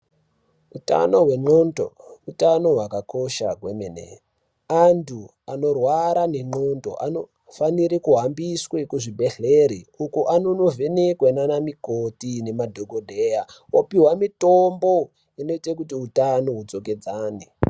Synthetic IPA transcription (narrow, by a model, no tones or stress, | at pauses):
uta̰no̞ɦwe̞ŋ͡ǃonto̰utano̞ɦwakako̞ʃa̰ɡʱwemenḛ | antʰu | ano̞rwaɾane̞ŋ͡ǃo̞nto̞̰ʔa̰no | faniɾikuɦambiswekuʐibʱe̞ɮeɾiukuʔanono̞ve̞nekwenanamikotine̞madʱoɡʱodʱeːjawopiwamitombo̞ | ino̞itek̬utiutanoɦud͡zo̞ke̞d͡zaːne